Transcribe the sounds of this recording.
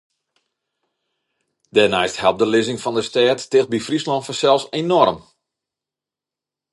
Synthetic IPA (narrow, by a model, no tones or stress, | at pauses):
d̥ɛnɛjsthɛlˠp̚dəlɪzɪŋfɔndəstɛːtːɪxt̚bifrislɔntfəsɛlˠsenɔrm